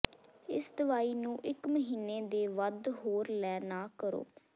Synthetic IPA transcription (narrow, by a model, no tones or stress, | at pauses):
ɪ̰sd̪əʋaːiːnũːʔɪkməɦiːneːd̪eːʋəd̪ɦoːɾlɛːnaːkəɾo̰ː